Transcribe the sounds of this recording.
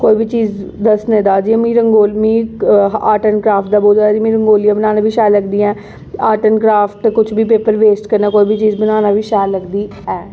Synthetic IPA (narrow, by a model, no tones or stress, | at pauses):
koːiːbit͡ʃiːzd̪əsnẽːd̪aːd͡ʒiːmĩːɾəŋɡoːlmĩːaːʈənkɾaːpʰʈ̚d̪aːboːlaːd͡ʒiːmĩːɾəŋɡoːlijaːbənaːnaːʋiːʃaːləɡd̪iːɛ̃ː | aːʈənkɾaːfʈkʊt͡ʃʰbiːpeːpəɾʋeːsʈkəɾnãːkoːibit͡ʃiːzbənaːnaːʋiːʃaːləɡd̪iː | ɛː